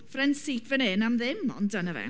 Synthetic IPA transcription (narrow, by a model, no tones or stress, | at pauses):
frɛnsiːtʰvɛnenamðɪmɔ̰ndənəvɛ̰